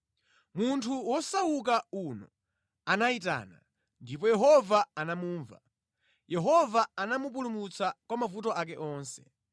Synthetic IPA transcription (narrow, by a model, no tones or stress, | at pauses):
muntʰuwɔsaukaunɔ̰ | anaita̰ːna̰ | ndip̬ɔjɛɦɔvaanamuːɱva̰ | jɛɦɔvaanamup̬ulumut͡sʰakwamavutɔʔak̬ɛʔɔːnsɛ̥